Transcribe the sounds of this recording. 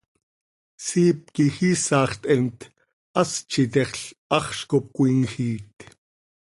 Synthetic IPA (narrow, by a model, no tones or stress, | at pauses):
siːp̚kixiːsɑːχt̪ʼɛnt̪ | ʔɑst͡ʃʰit̪ɛχɬɑχʃkop̚kʷiːŋxiːt̪